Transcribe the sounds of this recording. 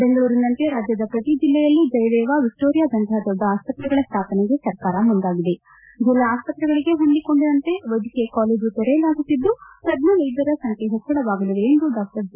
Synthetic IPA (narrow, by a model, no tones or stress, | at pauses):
beŋɡɐɭuːɾinːɐnt̪e̞ɾaːd͡ʒjɐd̪ɐpɾɐt̪id͡ʒilːejɐlːid͡ʒɐjɐd̪ɛːʋaʋik̚ʈoːɾijaːd̪ɐnt̪ʰaɦɐd̪ɔɖ̪ːɐaːspɐt̪ɾɐɡɐɭɐst̪ʰaːpɐneɡe̞sɐɾkaːɾɐmund̪aːɡid̪e | d͡ʒilːɐaːspɐt̪ɾɐɡɐɭiɡe̞ɦo̞nd̪iko̞ɳɖiɾɐnt̪e̞ʋɐjd̪ʱikɛjɐkaːleːd͡ʒut̪ɔɾeːlaːɡut̪ːid̪ːupɐd̪nuʋɐjd̪ɐɾɐsɐŋkeɦɐt͡ʃːɐɽɐʋaːɡuliʋeːnd̪uɖaːk̚ʈɐɾd͡ʒ